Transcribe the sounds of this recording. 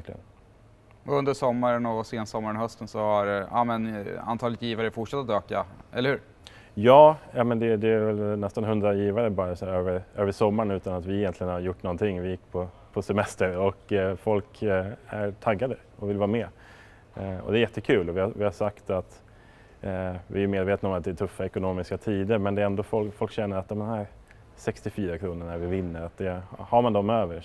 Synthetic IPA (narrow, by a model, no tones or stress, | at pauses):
klɪɡə̰n | ɔɵnd̪əʂɔmːaɾənɔseːnsɔmːaɾənhœst̪ənsɔhaɾa̰mɛna̰nt̪ʰɑːlɪt̪jiːvaɾəfʊʈʂat̪ːat̪øːkaɛ̰lːəɾhʉ̟ːɾ | jɑːjamɛnd̪ɛd̪ɛæɾvɛlnɛst̪anhɵnd̪ɾajiːvaɾəbɑːɾasæːɾøːvəɾʔøːvəʂɔmːaɳʉ̟ːt̪anat̪vɪɛjɛnt̪lɪɡənhaɾjʊʈːnɔnt̪ʰɪŋːvɪjɪkːpʰɔ | pʰɔsɛmɛst̪əɾɔkfɔlkæɾʈ̪ʰaɡːad̪ə | ɔvɪlvɑːmɛː | ɔ̰d̪ɛæɾjɛt̪ːəkʰʉ̟ːlɔvɪhavɪhaʂakt̪at̪ | vɪæjɵmeːd̪veːt̪ənɔmat̪d̪ɛt̪ʰɵfːaɛkʊnoːmɪskat̪ʰiːd̪əɾmɛnd̪ɛɛnd̪ofɔlfɔlkɕɛnːəɾat̪̚d̪ɔmd̪nɦæːɾ | sɛkst̪ɪfyːɾakʰɾuːnəɳæɾvɪvɪnːəɾat̪̚d̪ɛhhaɾmand̪ɔmøːvəɾ